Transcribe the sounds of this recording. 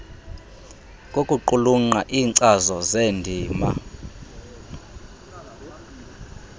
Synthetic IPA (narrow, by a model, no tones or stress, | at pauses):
kʼokʼuǃuluŋ͡ǃaʔiːŋǀazɔzendʱiːma̰